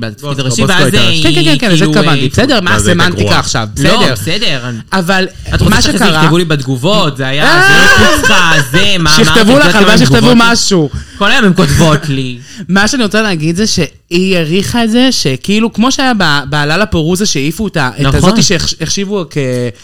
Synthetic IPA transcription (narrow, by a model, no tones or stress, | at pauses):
bo | kenkekenkenzekavant̪ibesedeʁmasemant̪ikaaχʃa̰vbesodebʁesed̪eʁ | aval | atmaʃekaʁaevulibed̪ɡuvotzeajaaiazemaʃiχt̪evulaχavaʃiχt̪evumaʃukolajomemkot̪vot̪lli | maʃeaniʁo̞t͡salehːɡid̪zeʃe̞ | ijaʁiχaezeʃe̞kiilukmo̞ʃeajababaːlalapeʁuzaʃeifuetaʔetazot̪iʃeχeχʃivuke